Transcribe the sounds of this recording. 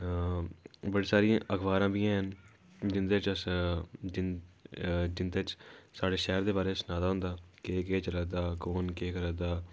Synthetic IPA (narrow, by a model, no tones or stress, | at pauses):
bəɽiːsaːɾĩãːʔəkʰʋaːɾãːbiːãːɦən | d͡ʒɪnd̪eːt͡ʃəsd͡ʒɪn | d͡ʒɪnd̪eːt͡ʃsaːɽeːʃɛːɾd̪eːbaːɾeːsənaːd̪aːɦʊ̃nd̪aːkeːkeːt͡ʃəɾəd̪aːkoːnkeːkəɾəd̪aː